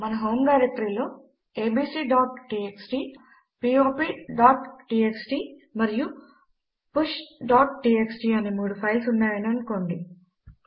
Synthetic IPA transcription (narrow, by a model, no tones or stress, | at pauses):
mɐnɐɦoːmɡaːɾek̚ʈɾiːloː | eːbiːsiːɖaːʈʈiːeksʈiː | piːoːpiːɖaːʈʈiːeksɖiː | mɐɾiju | puʃɖaːʈʈiːeksʈiːɐnemuːɽupʰɐjlsuɳːaːjɐniɐɳko̞ːɳɖi